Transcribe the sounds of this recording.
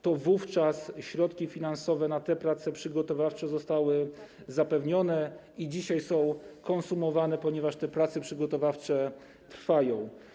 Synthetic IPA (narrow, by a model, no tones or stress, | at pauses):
t̪ɔvuft͡ʂasɕɾɔt̪kʲifʲinansɔvɛnat̪ɛpɾat̪sɛpʂɘɡɔt̪ɔvaft͡ʂɛzɔst̪awɘ | zapɛvɲɔnɛ | id͡ʑiɕajsɔ̃w̃kɔnsumɔvanɛpɔɲɛvaʂt̪ɛpɾat̪sɛpʂɘɡɔt̪ɔvaft͡ʂɛ | t̪ɾfajɔ̃w̃